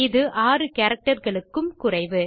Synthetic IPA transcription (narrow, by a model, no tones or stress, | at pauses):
ɪðɯʔaːrɯkɐːɾɐk̚ʈɐɾɣɐɭɯkːɯmkʊrɐɪʋɯ